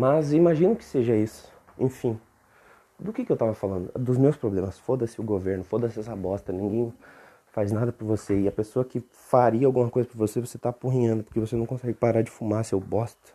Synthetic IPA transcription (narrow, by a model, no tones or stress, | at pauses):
mɐzimaʒĩnʊkɪ̥seʒɐisʊ̥ | ḛ̃fĩ | d̪ʊkɪkɪewt̪avɐfalɐ̃nd̪ʊd̪ʊzmewspɾoblẽmɐsfod̪ɐsɪʊɡoveɾnʊfod̪ɐsɛsɐbɔst̪ɐnĩɡẽj̃ | fajznad̪ɐpɾɐvoseɪɐpesoɐkɪ | faɾiɐawɡũmɐkojzɐpɾɐvosevoset̪apuɦĩɲɐ̃nd̪ʊpoɾkevosenɐ̃w̃kõsɛɡɪpaɾad͡ʒɪfumaɾsewbɔst̪ɐ̥